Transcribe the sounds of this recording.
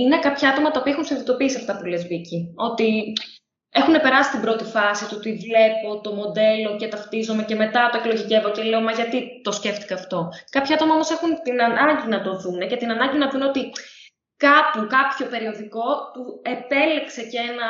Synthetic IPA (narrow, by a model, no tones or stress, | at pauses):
ine̞kɐpçɐɐt̪o̞mɐt̪ɐopiɐexunsiðit̪o̞piisiɐft̪ɐpulezvicio̞t̪i | e̞xune̞pe̞ɾɐsi̥st̪imbɾo̞t̪ifɐsit̪ut̪ivle̞po̞t̪o̞mo̞d̪e̞lo̞cet̪ɐft̪izome̞ce̞me̞t̪ɐt̪oeklo̞ʝice̞vo̞ce̞le̞omɐʝɐt̪it̪o̞sce̞ft̪i̥kɐːft̪o̞kɐpçɐɐt̪o̞mɐomo̞sexunt̪inɐnɐɲɟinɐt̪o̞ðune̞ce̞t̪inɐnɐɲɟinɐðuno̞t̪i | kɐpukɐpço̞pe̞ɾioðiko̞t̪ue̞pe̞lekse̞ceenɐ